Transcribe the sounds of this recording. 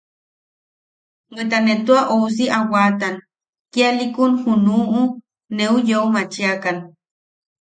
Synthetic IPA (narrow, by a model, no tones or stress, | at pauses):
ɢɨt̪̬anet̪uaʔous̬iʔawat̪an | kialikunhunuːʔu | neujeumat͡ʃiakan